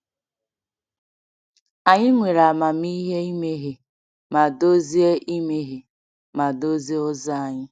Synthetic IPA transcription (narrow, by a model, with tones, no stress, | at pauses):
a˨ɲɪ˦ŋʷe˨ɾa˨ma˨m˦i˦ɦe˦i˦me˦ɦe˨ | ma˨do˦zi˦e˦ʔi˦me˦ɦe˨ | ma˨do˦zi˦ʊ˦za˦a˨ɲɪ˦